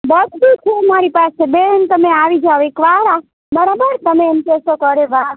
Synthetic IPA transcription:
bətbit͡ʃʰemaɾipasebent̪əmeaʋid͡ʒaoekʋaɾa | bəɾabəɾt̪əmemkesokəɾeʋa

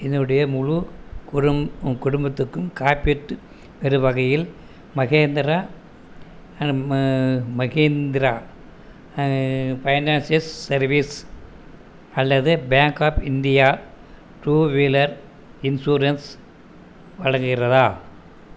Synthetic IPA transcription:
ɛnːɯɽɐjɐmʊɻukkʊɽʊmbɐt̪ːɯkːɯmkaːpɪʈːɯ | pɛɾɯʋɐɣɐjɪl | mɐɣeːnd̪ɪɾa | mɐɣeːnd̪ɪɾaː | pɐjnaːnsɐsːɐɾʋis | ɐlːɐðɯbjaːŋkaːpɪnd̪ɪjaː | ʈɾuːʋeːlɐɾ | ɪnsuːɾɐns | ʋɐɻɐŋɡɪrɐðaː

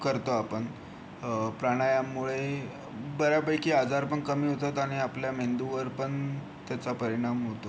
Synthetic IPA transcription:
kəɾt̪oapəɳ | pɾaɽ̃ajamːuɭe | bəɾjapəjkiːɦad͡zaɾpəɳkəmiːɦot̪at̪aɽ̃iapljamend̪uʋəɾpəɳ | t̪jat͡sapəɾiɽ̃amɦot̪o

